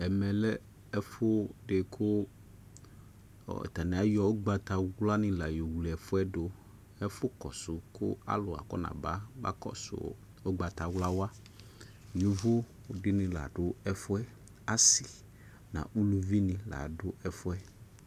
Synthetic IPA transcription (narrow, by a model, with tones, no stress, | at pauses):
ɛ˨mɛ̃˨lɛ˦ | ɛ˦fʊ˦ɖe˨kʰʊ˦˨ | t̪a˨nẽ˨a˦jɔ˨wo˦ɡ͡ba˨t̪a˨wla˦nɪ̃˨la˨jo˨wli˨ɛ˨fʊ˦ɛ˦ɖo˨ | ɛ˦fʊ˦kɔ̰˨sʊ˨kʰʊ̰˦a̰˦lʊ˨a̰˨kɔ̰˦nã̰˨ba˦ba̰˦kɔ̰˦sʊ̰˨ | o˦ɡ͡ba˨t̪a˨wla˦wa˦ | ju˨˦vo˦˨ | ɖɪ˦nɪ̃˨la̰˨ɖʊ˦ɛ˦fʊ˦ɛ˦ | a˦si˨ | nã̰˨u˦lu˨vi˦nĩ˨la̰˨ɖʊ˦ɛ˨fʊ˦ɛ˦